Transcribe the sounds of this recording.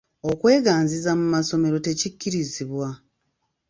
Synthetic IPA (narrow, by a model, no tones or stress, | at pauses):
o̞kwe̞ːɡaːnzizamumaso̞me̞ɾo̞te̞cicːiɾiziβwa